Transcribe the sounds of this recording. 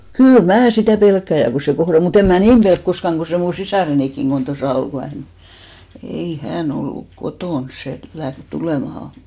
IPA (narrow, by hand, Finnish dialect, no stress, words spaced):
kyl mæː sitæˑ pelkːæˑ jɑ ku se kohrɑl o mut em̆ mæː niːm pelk koskɑŋ ɡ̊o se mu sisɑˑrenikːiŋ ɡ̊on tosɑˑ ol ku hæn ei hæn olːuk kotoˑns se læht tuleˑmɑhɑ